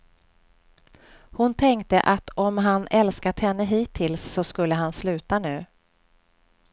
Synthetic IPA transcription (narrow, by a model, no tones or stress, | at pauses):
hʊnt̪ʰɛŋkt̪əʔat̪ɔmɦanɛlskat̪hɛnːəɦiːt̪ʰːɪlsːɔskɵlːəɦanslʉ̟ːt̪anʉ̟ː